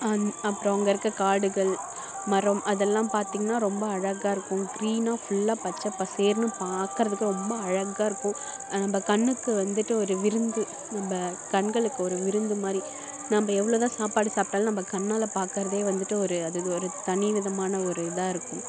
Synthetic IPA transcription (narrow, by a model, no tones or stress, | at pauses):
ɐpːɯɾɔ̃ɐŋɡɐɪɾɯkːɐkaːɽɯɣɐɭ | mɐɾɐmʔɐðɛlːãːpaːɾt̪iːŋɡɐnːaːɾɔmbɐɐɻɐɣaːɪɾɯkːʊ̃ɡɪɾiːnaːfʊɭːaːpaːt͡ʃːɐɐpːaːseːɾnɯ̃paːɾkɪɾɐðɯkːɯɾɔmbɐɐɻɐɣaːɪɾɯkːʊ̃ | nɐmbɐkɐɳːɯkːɯʋɐnd̪ɯʈːɯɔɾɯʋɪɾɯnd̪ɯ | nɐmbɐkɐɳɡɐɭɯkːɯɔɾɯʋɪɾɯnd̪ɯmaːd̪ɾi | nɐmbɐɛʋːɐɭoːt̪ãːsaːpaːɽɯsaːp̚ʈaːlnɐmbɐkɐɳːaːlɐpaːɾkɪɾɐðeːʋɐnd̪ɯʈːɯɔɾɯɐðɯɔɾɯt̪ɐnɪʋɪðɐmaːnɐɔɾɯɪðaːɪɾɯkːʊ̃